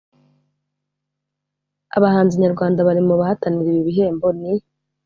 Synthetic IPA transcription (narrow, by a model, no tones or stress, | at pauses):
a̰βahaːnziɲaɾɡwaːndaβaɾimuβahataniɾiiβiɦe̞ːmbo̞ni